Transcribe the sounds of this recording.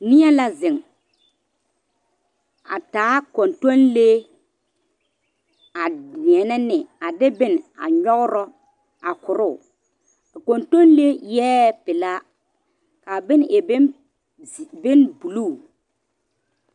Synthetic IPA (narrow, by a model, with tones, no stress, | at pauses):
nɪ˦ɛ˦la˦zɪ˨ŋ | a̰˨taː˨˦ko˨nto˦nle˦ | a˨i˨ɛ˨nɛ˦nɪ˨a˨dɪ˦bɪ˦na̰˨ɲɔ˦ɣʊ˦ɾɔ˦ | a˨kʊ˨ɾʊ˦˨ | a˨ko˨nto˦nle˦jɛː˦pɪ˨la˦ | ka˨bɪ˦nʔɛ˨bɪ˦n˨ | bɪ˦nbu˨luː˦˨